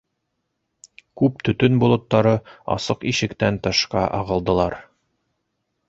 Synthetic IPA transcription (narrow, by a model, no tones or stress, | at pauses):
kʉp̚t̪ɵ̆t̪ɵnbulˠɤ̆t̪ːɑɾɤɑ̰sɤqiʃɘ̆kt̪ænt̪ɤ̆ʃqɑʔɑ̰ʁɤ̆lˠd̪ɤ̆lˠɑɾ